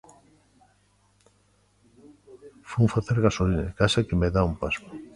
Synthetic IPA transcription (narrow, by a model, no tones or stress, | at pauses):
fuŋfaθeɾɣasolina̰kasakemeðaumpasko̥